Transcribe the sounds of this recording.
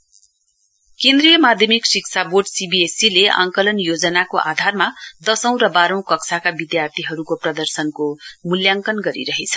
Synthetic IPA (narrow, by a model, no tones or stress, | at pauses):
kẽnd̪rijʌmad̪ʱjʌmiksikt͡sʰaborɖsibiesileʔa̰ŋkʌlʌnjod͡zʌnakoʔa̰d̪ʱarmad̪ʌsʌ̃w̃rʌbaɾʌ̃w̃kʌksʰakabid̪jart̪ʰiɦʌɾukoprʌd̪ʌrsʌnkomuljaŋkʌnɡʌɾḭɾʌɦet͡sʰʌ̥